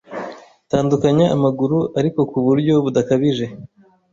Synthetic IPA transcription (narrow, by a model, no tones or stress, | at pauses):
taːndukaɲaːmaɡuɾuʔaɾiko̞kuβuɾɟo̞βudakaβiʒe̞